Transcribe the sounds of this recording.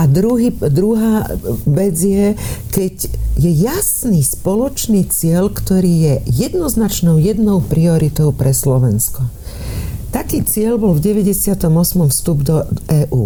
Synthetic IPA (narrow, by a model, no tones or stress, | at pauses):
ad̪ɾuɦiːd̪ɾuɦaːʋɛd͡zjɛkɛɟjɛjasniːspɔlɔt͡ʃniːt͡sɪɛʎkt̪ɔɾiːjɛjɛd̪nɔznat͡ʃnɔʊjɛd̪nɔʊpɾiɔɾit̪ɔʊpɾɛslɔʋɛnskɔ | t̪akiːt͡sɪɛʎbɔlvɟɛʋɛɟɛsɪat̪ɔmɔsmɔmfst̪ubd̪ɔɛːʔuː